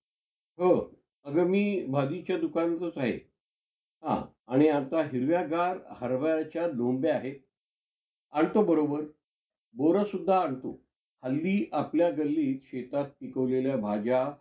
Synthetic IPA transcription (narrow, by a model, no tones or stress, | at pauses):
ɦə | əɡəmiːbʱad̪it͡ɕjad̪ukant̪ot͡saɦḛ | ɦã̰ | aɽ̃iat̪aɦiɾʋjaɡaɾhəɾʋajat͡ɕjalombeaɦe | aɳt̪obəɾobəɾ | boɾəsud̪ʱːaːɳt̪o̰ | həlːiːʔapljaɡəlːiːt̪ɕet̪at̪̚ːpikəʋleljabʱad͡ʑa